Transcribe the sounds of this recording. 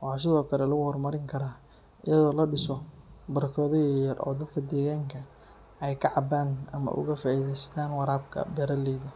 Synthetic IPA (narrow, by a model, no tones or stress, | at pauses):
wɑħɑːs̬ɪðɔːkʰɐlɛlɐɣʊhɔrmɐɾɪŋkʰɐɾaː | ʔɪjɐðɔːlɐɖɪsɔbɐɾɐkʰɔːðɔjjɐrʔɔ̰ːd̪ɐd̪kʰɐd̪ɛːɣaːŋkʰɐ | ɛjkʰɐʕɑbaːnɐ̰mɐ̰ʔʊ̰ɣɐfaːʔiːðɛjst̪ʰaːnwɑɾaːbkʰɐ̰bɛːɾɐlɛːðɐ